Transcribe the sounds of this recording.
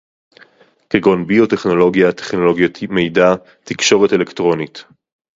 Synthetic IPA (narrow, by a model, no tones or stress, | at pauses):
keɡo̞nbio̞te̞χno̞lo̞ɡijat̪eχno̞lo̞ɡjot̪ʰime̞jda | tikʃo̞ʁetelektʁo̞nit